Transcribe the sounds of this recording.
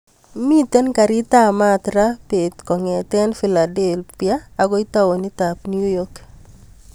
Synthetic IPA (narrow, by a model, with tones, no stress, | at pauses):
mi˦t̪ɛ˦nka˨ɾɪ˦t̪a˦ma˦t̪ɾa˦pe˨t̪kɔ˨ŋɛ˨t̪ɛ˦nfi˨la˨de˨lpijaː˦˨ɡɔ˦i˦ta˦wo˨ni˦ta˨pnju˦jɔ˦k